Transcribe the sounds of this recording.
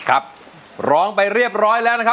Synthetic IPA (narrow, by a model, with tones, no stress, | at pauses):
kʰa˦˥p̚ | ɾɔː˦˥ŋpa˧jɾi˥˩əp̚ɾɔː˦˥jlɛː˦˥wna˥kʰa˦˥